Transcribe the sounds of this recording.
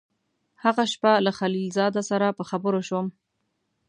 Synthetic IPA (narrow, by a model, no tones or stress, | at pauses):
haɣaʃpalaxalilzɑd̪asaɾapəxabəɾoʃwəm